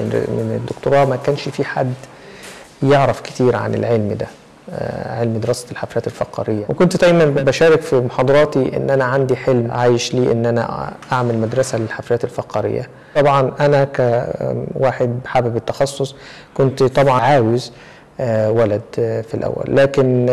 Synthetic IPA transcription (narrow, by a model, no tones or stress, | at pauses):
menḛd̪ːokt̪oɾˤɑːmækæːnʃfiħa̰d̪ː | jeʕɾɑfkɪ̥t̪iːɾʕa̰nḛlʕelmd̪æ̰ | ʕelmd̪eɾɑsælħaflæːt̪elfɑqɑ̰ːɾɪjːæwʔekont̪d̪æjmænbæʃæːɾɪkfimoħɑːd̪ˤɑɾˤɑːt̪iʔḛnːʔænæʕand̪iħelmʕaːjeʃliːʔenːʔænæ̰ʔaʕmælmæd̪ɾˤɑsælelħafɾæːt̪elfæqɑɾɪ̰jːæ̰ˤ | ɑbʕɑnʔænækæ | waːħed̪̚bħaːbebet̪ːɑxɑsˤːosˤ | kont̪t̪ˤɑbʕɑʕaːwez | wælæd̪filʔæ̰wːæ̰lːæːken